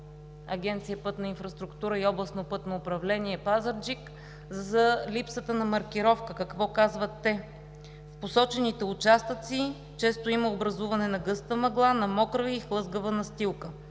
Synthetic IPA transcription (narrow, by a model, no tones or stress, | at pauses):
ɐɡʲɛnt̪sijəpɤt̪nɐinfɾɐst̪ɾʊkt̪uɾəiɔblˠəsnopɤt̪noʊpɾɐvlɛniɛpazəɾd͡ʒik | zzəlipsət̪ənɐmɐɾkʲiɾɔfkəkɐkvɔkazvət̪ːɛ | fposɔt͡ʃɛnit̪ɛʊt͡ʃast̪ət̪si | t͡ʃɛst̪oiməobɾɐzuvɐnɛnɐɡɤst̪əmɐɡlˠanɐmɔkɾəviixlˠɤzɡəvənɐst̪ilˠkə